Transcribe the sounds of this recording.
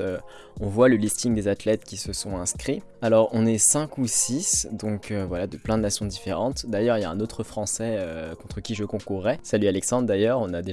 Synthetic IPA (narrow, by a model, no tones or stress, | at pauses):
ø | ɔ̃vwaləlist̪iŋd̪ezat̪lɛt̪kʲisəsɔ̃ɛ̃skχi | alɔʁɔ̃nɛsɛ̃kusisd̪ɔ̃kʰøvwalad̪əplɛ̃d̪ənasjɔ̃d̪ifeʁɑ̃t̪d̪ajœʁiljaɛ̃not̪χəfχɑ̃sɛøkɔ̃t̪χəkʲiʒəkɔ̃kuʁːɛsalyalɛksɑ̃d̪ʁd̪ajœʁɔ̃nad̪eʒ